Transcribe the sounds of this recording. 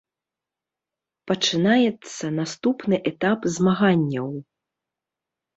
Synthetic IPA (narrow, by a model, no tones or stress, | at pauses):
pɐt͡ʂɨnajɛt̪sɐnast̪upnɨʔɛt̪apzmaɣanʲːɐw